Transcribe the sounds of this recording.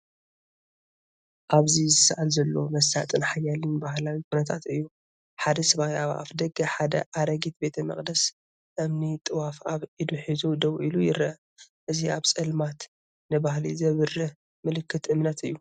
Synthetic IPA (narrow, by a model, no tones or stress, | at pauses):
ʔaβzizɨsaʔalzɐlːo̞mɐs̬ːat̪ʼɨnħajalɨnbahlawikʰunɐt̪ʰat̪ɨjːu | ħad̪ɐsɐβahiaβa̰ʔa̰fd̪ɐɡɐħad̪ɐ̰ʔaɾɐɡit̪̚be̞t̪ʰɐmɐ̰χʼd̪ɐs | ʔɨmnit̪ʼɨwafaβʔid̪uħizud̪ɐwʔilujɪɾʔ | ʔɨziʔaβt͡sʼɐlmat̪ | nɨbahlḭzɐβɨrɨ | mɨlɨkːɨt̪ʔɨmnɐt̪ɨjːu